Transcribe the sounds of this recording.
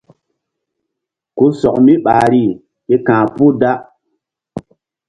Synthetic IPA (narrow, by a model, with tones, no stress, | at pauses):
ku˦sɔ˨k̚mi˦ɓaː˨ɾi˦˨ | e˦kãː˨pu˦da˦